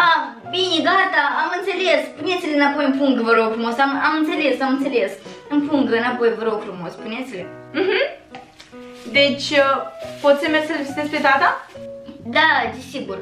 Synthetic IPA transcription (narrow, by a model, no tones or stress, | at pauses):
a | binʲeɡat̪aamɨnt̪selespunet̪sʲilʲenapojɨnpuŋɡ̪vəɾoɡfɾumosamamɨnt̪se̞le̞samɨnt̪selesɨnpuŋɡ̪ɨnapo̞jvəɾoɡfɾumo̞spunet̪sʲilʲem̩ɦm̩ | d̪et͡ʃʲ | pot̪sʲemʲesəlesit̪espɾet̪at̪a | d̪ad̪ʲisiɡur